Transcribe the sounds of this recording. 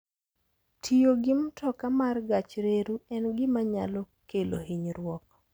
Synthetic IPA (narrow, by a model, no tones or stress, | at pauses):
tʰijoɡɪmtɔkamarɡat͡ʃɾeɾuɛnɡɪmaɲa̰lɔ | kelo̰hiɲɾwɔk